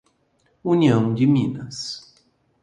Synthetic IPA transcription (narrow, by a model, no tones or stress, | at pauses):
uniɐ̃w̃d͡ʒɪmĩnɐs